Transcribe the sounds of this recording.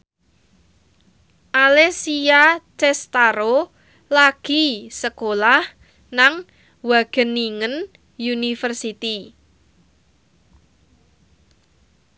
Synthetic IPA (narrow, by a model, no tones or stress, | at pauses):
ʔalesiat͡ʃɛst̪aɾo | laɡ̥i̤səkolah | naŋ | waɡ̥ə̤niŋən | junifərsit̪i